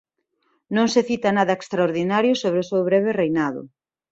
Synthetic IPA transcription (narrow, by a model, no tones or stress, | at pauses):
nõŋseθit̪ɐnaðɐekst̪ɾaoɾðinaɾjʊsoβ̞ɾeʊsewβɾɛβ̞erejnaðʊ̰